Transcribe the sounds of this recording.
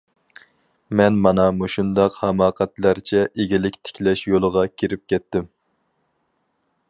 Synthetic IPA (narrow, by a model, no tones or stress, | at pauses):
mɛnmɑnɑmuʃund̪ɑqhɛmɑːqʰæt̪læɾt͡ʃʰɛʔeɡʲilɪkʲt̪ʰɪ̥kʲlɛʃjolˠəʁɑkʲʰiɾɪp̚kʲʰɛt̪ːɪm